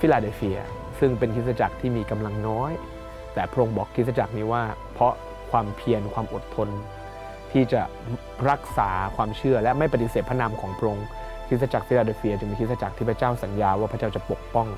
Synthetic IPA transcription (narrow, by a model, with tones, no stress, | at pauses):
fi˦˥laː˧de˧fi˧ɐ̰ | sɯ˥˩ŋpe˧nkʰi˦˥t̪̚sa˧˩t͡ɕa˨˩k̚t̪ʰiː˥˩miː˧ka˧mla˧ŋnɔː˦˥j | t̪ɛː˨˩pʰɾo˧ŋbɔː˨˩kʰːi˦˥t̪̚sa˧t͡ɕa˨˩k̚niː˦˥waː˥˩ | pʰɔ˦˥ | kʰwaː˧mpʰi˧ənkʰwaː˧mʔo˨˩t̪ʰːo˧n | t̪ʰiː˥˩t͡ɕa˨˩ | ɾa˦˥k̚saː˩˦kʰwaː˧mt͡ɕʰɯ˥˩ɐlɛ˦˥ma˥˩jpa˨˧t̪i˨˩seː˨˩t̪̚pʰa˥˩naː˧mkʰɔː˩˦ŋpʰɾo˧ŋ | kʰi˦˥t̪̚sa˧t͡ɕa˨˩k̚fi˦˥laː˧de˧fi˧ɐt͡ɕɯ˧ŋmiː˧kʰi˦˥sa˧t͡ɕa˨˩k̪̚ʰiː˥˩pʰa˦˥t͡ɕaː˥˩wsa˩˦njaː˧waː˥˩pʰa˦˥t͡ɕaː˥˩wt͡ɕa˨˩po˨˩k̚pɔ˥˩ŋ